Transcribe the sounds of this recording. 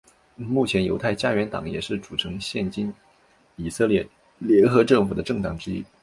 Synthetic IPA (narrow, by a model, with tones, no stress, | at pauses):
mu˥˩t͡ɕʰjɛ˧˥njo˧˥ʊt̪ʰa˥˩ɪt͡ɕja˥ɥɛ˧˥nt̪ɑ̰˨˧˥ŋjɛ˨˩ʂɻ̩˥˩ʈ͡ʂu˨˩ʈ͡ʂʰɤ˧˥ŋɕjɛ˥˩nt͡ɕi˥n | i˨˩sɤ˥˧ljɛ˥˩ | ljɛ˧˥nxɤ˧˥ʈ͡ʂɤ˥˩ŋfu˨˩d̪ə˦ʈ͡ʂɤ˥˩ŋt̪ɑ˨˩ŋʈ͡ʂɻ̩˥ḭ˥